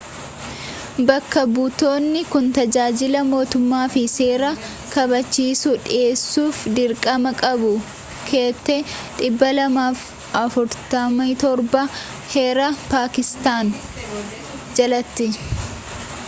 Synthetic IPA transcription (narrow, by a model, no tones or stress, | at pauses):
bɐkːɐbʊt̪o̞ːnːɪkʊnt̪ɐd͡ʒaːd͡ʒɪlɐmo̞ːt̪ʊmːaːfɪse̞ːɾɐ | kɐbɐt͡ʃːiːsʊᶑɪe̞ːsːuːfd̪ɪɾkʼɐmɐkʼɐbʊ | kʰe̞ːt̪ːeᶑ̪ʼɪbːɐlɐmaːf | ʔɐfʊɾt̪ɐmɐt̪ɔɾbɐ | heːɾɐpaːkɪst̪aːn | d͡ʒɐlɐt̪ːɪ